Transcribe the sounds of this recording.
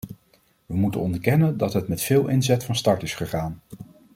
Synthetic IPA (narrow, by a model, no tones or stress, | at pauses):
ʋəmutə̰nɔndəɹkɛnəndɑtɦətmɛtfɪːlˠʔɪnzɛtfɑnstɑɹtɪsχəχaːn